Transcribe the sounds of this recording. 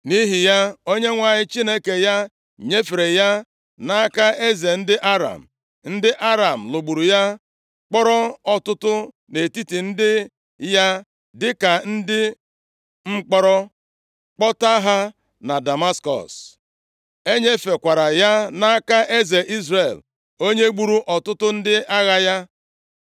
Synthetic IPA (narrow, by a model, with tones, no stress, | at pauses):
ni˦ɦi˨ja˦o˦ɲe˦ŋʷa˦˨ɲɪ˦t͡ʃi˦ne˦ke˨ja˦ | ɲe˦fe˨ɾe˨ja˦ | na˦a˦ka˦e˦ze˨n̩˦dɪ˦ʔa˦ɾa̰˨m̩˨ | n̩˦dɪ˦ʔa˦ɾa˨m̩˨lo˨ɡ͡bu˨ɾu˨ja˦ | k͡pɔ˦ɾɔ˦ɔ˦tʊ˦tʊ˦ | ne˨ti˦ti˨n̩˦dɪ˦ | ja˦ | dɪ˦ka˨n̩˦dɪ˦ | ŋ͡m̩˦k͡pɔ˦ɾɔ˦ | k͡pɔ˦ta˦ɦa˦ | na˨da˨ma˦skɔ̰˨s | e˦ɲe˦fe˨kʷa˨ɾa˨ja˦na˦a˦ka˦ʔe˦ze˨ʔi˦zre˨l | o˦ɲe˦ɡ͡bu˦ɾu˦ʔɔ˨tʊ˦tʊ˦n̩˦dɪ˦ʔa˦ɣa˦ja˦